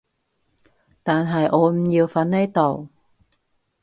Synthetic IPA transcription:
t̪aː˨˩nɦaː˨˩jʔo˧˦ɲi˨əwfa˨˦nːə˧jt̪ɔ˨˩w

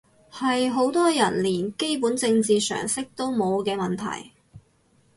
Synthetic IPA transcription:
hɐ˨jɦo˨˥wt̪ɔː˥jɐ˨˩nliː˨˩nke˥jpuː˨˥nt͡sɪ˧ŋt͡siː˨sœ̰ː˨˩ŋsɪ˥k̚t̪o˥wmo˨˧wkɛː˧mɐ˨nt̪ʰɐ̰˨˩j

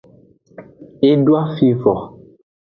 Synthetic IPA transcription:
e˦dwa˦fi˦fɔ˨

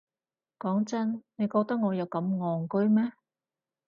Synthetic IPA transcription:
kɔː˨˥ŋt͡sɐ˥nne˨˧jkɔː˧k̚t̪ɐ˥k̚ŋɔː˨˧jɐ˨˧wkɐ˨˥mŋɔː˨ŋkɵ˥ɥmɛː˥

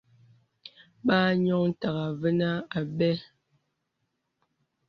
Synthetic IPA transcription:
ɓaː˦ɲɔ˦˨ŋn̩˨ta˨ɣa˨və˦na˦a˨bɛ˦

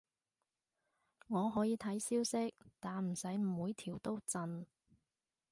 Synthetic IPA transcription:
ŋɔː˨˧ɦɔː˨˥jiː˨˧t̪ʰɐ˨˥jsiː˥wsɪ˥k̚t̪aː˨nm̩˨˩sɐ˨˥jm̩˨˩wuː˨˧jt̪ʰiː˨˩wt̪o˥wt͡sɐ˧n

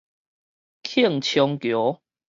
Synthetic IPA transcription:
kʰi˥˨ŋt͡ɕʰjɔ˧ŋkjɔ˨˦

